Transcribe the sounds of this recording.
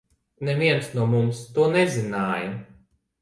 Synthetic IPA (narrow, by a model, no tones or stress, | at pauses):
nɛviɛnsnuɔmumst̪uɔnɛzinaːja